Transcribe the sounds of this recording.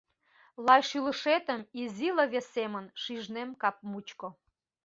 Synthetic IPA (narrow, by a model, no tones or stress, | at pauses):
lɑjʃylə̆ʃet̪ə̆miziləβesemənʃiʒnemkɑp̚mut͡ɕko